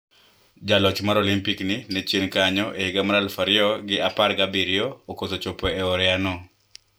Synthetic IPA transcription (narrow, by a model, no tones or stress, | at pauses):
d͡ʒalɔt͡ʃmaɾolimpiknɪnɛt͡ʃenkaɲɔʔehɪɡamaɾalfaɾɪɔɡɪaparɡabiɾɪɔːkosot͡ʃopoɛɔɾɛanɔ